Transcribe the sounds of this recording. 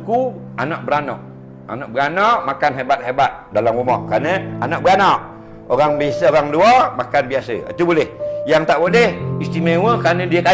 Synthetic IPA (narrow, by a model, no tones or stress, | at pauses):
ku | anɔʔbəɾanɔ̰ʔ | a̰nɔʔbəɡanɔʔmakanɦebat̪̚hebat̪̚dalamrumɔhkɾanəanɔʔbəanɔʔ | oɾaŋbesoɣaŋluamakanbiasə̰a̰t̪ubolɛhjaŋt̪aʔbodɛhist̪imewəkɾanə̃diəka